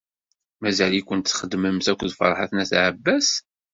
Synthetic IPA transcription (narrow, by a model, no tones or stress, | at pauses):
mæzælikʷːənt̪sχəd̪məmsækʷːðfɑ̰ɾˤħa̰θnæθʕəbːæs